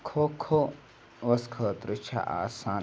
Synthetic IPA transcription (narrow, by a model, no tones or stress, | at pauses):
kʰokʰo | ʋɐskʰəːt̪ɾɨt͡ʃʰa̰ʔa̰ːsaːn